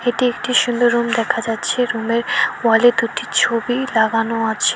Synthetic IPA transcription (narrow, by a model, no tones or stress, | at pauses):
eʈiekʈiʃund̪oɾːumd̪ɛkʰad͡ʑatːɕʰeɾumeɾwaled̪uʈit͡ɕʰobilaɡanoat͡ɕʰe